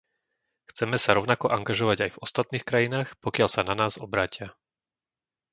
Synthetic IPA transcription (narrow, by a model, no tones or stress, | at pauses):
xt͡sɛmɛsaɾɔʊnakɔʔaŋɡaʒɔʋaɟajvɔst̪at̪̚niːxkɾajinaːxpɔkɪaʎsananaːzɔbɾaːcɪa